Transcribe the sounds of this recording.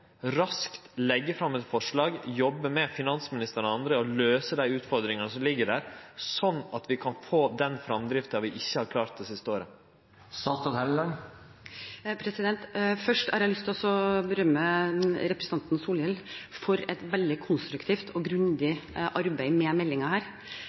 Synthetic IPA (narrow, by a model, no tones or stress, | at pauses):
ɾɑskt̪lɛɡːəfɾɑmːɛt̪fɔʂɭɑːɡjɔbːəmɛfɪnɑnsmɪnɪst̪əɾɔɑnd̪ɾəɔløːsəd̪æɪʉːt̪fɔɾd̪ɾɪŋɑnəsɔmlɪɡːəɖæːɾsɔnːɑt̪ʋɪkʰɑnfoːd̪ɛnfɾɑmd̪ɾɪft̪ɑʋɪʔɪçːəhɑɾkʰlɑːɾt̪̚d̪ɛsɪst̪əoːɾə | sɑːst̪ɑt̪hɛllɑn | pʰɾɛsɪd̪ɛnt̪fœʂʈæɾjɑlʏst̪ɔsɔbəɾœmːəɾɛpɾəsn̩t̪ʰɑnt̪n̩suːljɛlfɔɾɛt̪ʋɛld̪ɪkʰʊnst̪ɾʉkt̪ʰiːft̪ʰɔɡɾʉnd̪ɪʔɑɾbæɪmɛmɛlːɪŋɑhæːɾ